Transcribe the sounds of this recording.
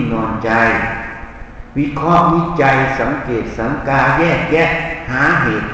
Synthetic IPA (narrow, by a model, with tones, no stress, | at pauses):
nɔː˧˩nt͡ɕa˧j | wi˦˧˥kʰɔ˧˥ʔmi˦˧˥t͡ɕa˧jsa˨˦ŋkeː˨˩t̪̚sa˨˦ŋkaː˧jɛː˥˩k̚jɛ˧˥˩ʔhaː˩˦ɦeː˨˩t̪̚